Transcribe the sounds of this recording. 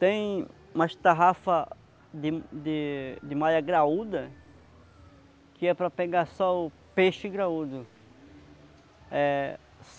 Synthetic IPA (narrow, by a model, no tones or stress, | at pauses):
t̪ẽj̃ | ũmɐʃt̪aɦafɐ | d̪ɪd̪ɪd̪ɪmajɐɡɾaud̪ɐ | kɪɛpɾɐpeɡaɾsɔʊ | peʃɪɡɾaud̪ʊ | ɛ | s